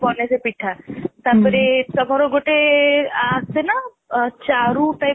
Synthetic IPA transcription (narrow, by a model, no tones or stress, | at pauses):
pɔːnesepiʈʰat̪apʰɪɾesɔbʱɔɾoɡoʈeasena | t͡ʃaɾũʈaj